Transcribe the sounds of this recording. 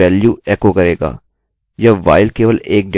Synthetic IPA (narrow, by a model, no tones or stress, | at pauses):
ɛːljuɛːkokɐɾeːɡa̰ː | jaʋa̰ːɪlkeːʋəleːk̚ɖe